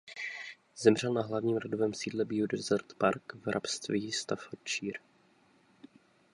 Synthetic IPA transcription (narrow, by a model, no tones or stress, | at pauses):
zɛmr̝ɛlnaɦlavɲiːmɾodovɛːmsiːdlɛbiudɛzɛɾt̪paɾkvɾʔa̰pst̪vist̪afot͡ʃiːɾ